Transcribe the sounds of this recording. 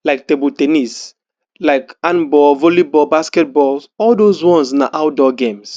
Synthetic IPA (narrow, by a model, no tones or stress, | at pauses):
laɪk̚tebotenis | laɪkãnbɔlvolibɔbaskɛt̚bɔlsɔldozwɔ̃nsnaʔaʊdɔɡẽms